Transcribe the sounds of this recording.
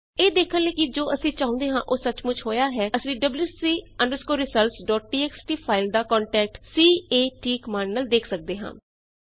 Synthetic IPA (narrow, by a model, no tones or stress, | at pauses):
eːd̪eːkʰənləːkɪd͡ʒoːəsĩːt͡ʃaːʊ̃ːnd̪eːɦãːʔoːsət͡ʃmʊt͡ʃʰhoːjaːɦɛːəsĩːɖəbljuːsiːəɳɖəɾskoːɾɪsəlsɖɔːʈ̚ʈiːɛːksʈiːpʰaːɪld̪aːkɔ̃ːɳʈɛːk̚ʈsiːeːʈiːkəmaːnːəld̪eːkʰsək̚d̪eːɦã̰ː